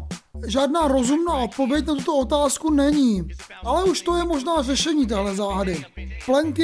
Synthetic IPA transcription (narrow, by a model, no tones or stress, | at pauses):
ʒaːdnaːɾo̞zumnaːʔo̞t̪̚po̞vjɛcnat̪ut̪o̞o̞t̪aːskunɛɲiː | ʔalɛuʃt̪o̞jɛmo̞ʒnaːrɛʃɛɲiːt̪̬ɛɦlɛzaːɦadɪplɛŋkɪ